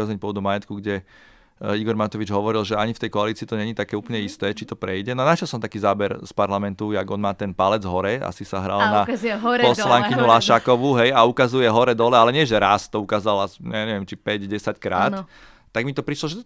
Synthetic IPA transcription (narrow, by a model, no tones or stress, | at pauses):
azɛɲpɔɔd̪umajɛt̪kuɡɟɛ | iɡɔɾmat̪ɔʋid͡ʒɦɔʋɔɾilʒɛaɲift̪ɛjkɔaliːt͡siːt̪ɔɲɛɲit̪akɛːuːpl̩ɲɛist̪ɛːt͡ʃit̪ɔpɾɛjɟɛnɔanaʃɛlsɔmt̪akiːzaːbɛɾspaɾlamɛnt̪ujaɡɔnmaːt̪ɛnpalɛd͡zɦɔɾɛa̰sisaɦɾa̰lnapɔslaŋkiɲulaʃakɔʋuɦɛjaukazujɛɦɔɾɛd̪ɔlɛalɛɲɪɛʒɛɾast̪ɔukaːzalasaɲɛʋjɛmt͡ʃipɛɟɟɛsackɾaːt̪ː | aɡmit̪ɔpɾiʃlɔʒɛ